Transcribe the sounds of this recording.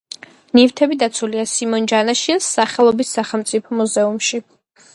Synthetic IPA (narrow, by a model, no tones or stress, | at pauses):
nivt̪ʰɛbid̪at̪sʰuliasimɔnd͡ʒanaʃisːaχɛlˠɔbisːaχɛlˠmt̪sʼipʰɔmuzɛumʃi